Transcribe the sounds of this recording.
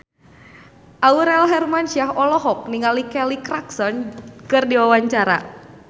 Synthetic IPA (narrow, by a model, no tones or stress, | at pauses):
ʔauɾɛlɦɛrmanʃiaɦɔlɔɦɔk̚niŋalikɛlikɾaksɔnkɨrdiwawaɲt͡ʃaɾa̰